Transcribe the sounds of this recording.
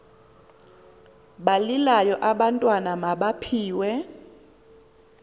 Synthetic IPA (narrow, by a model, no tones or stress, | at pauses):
ɓalilajɔʔaɓantʼwanamaɓapʰiːwɛ